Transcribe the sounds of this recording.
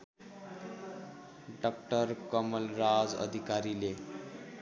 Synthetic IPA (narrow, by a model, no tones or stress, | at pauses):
ɖɔk̚ʈəɾkəməlɾad͡zə̰d̪ʱikaɾile